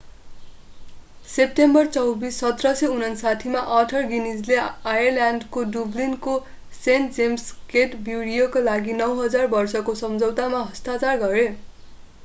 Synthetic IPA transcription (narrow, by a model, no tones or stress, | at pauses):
sep̚ʈembʌrt͡sʌwbisːʌt̪rʌseunʌnsat̪ʰimaʔʌʈʰʌrɡinid͡zleajʌrljanɖkodublinko | senʈd͡zemskeʈbjuɽijokalaɡinʌwɦʌd͡zarbʌrsʌkosʌmd͡zʌwt̪amaɦʌst̪at͡sarɡʌɾe